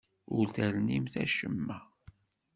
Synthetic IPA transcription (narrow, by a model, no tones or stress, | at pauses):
ʊɾθæɾnimθæ̰ʃəmːæ